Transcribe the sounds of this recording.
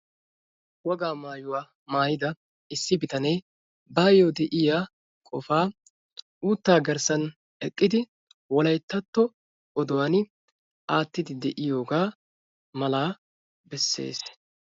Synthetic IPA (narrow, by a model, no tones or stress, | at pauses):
wɔɡaːmaːjʊwaː | maːjɪd̪ɐ | ɪsːɪbɪt̪ɐnej | baːjod̪ɛʔɪjaː | kʼɔfaː | uːt̪ːaːɡɐɾsɐn | ɛkʼːɪd̪ɪ | wɔlɐjt̪ːɐt̪ːɔ | ɔd̪ɔwɐnɪ | aːt̪ːɪd̪ɪd̪ɛʔɪjo̞ːɡaː | mɐlaː | bɛsːe̞̰ːs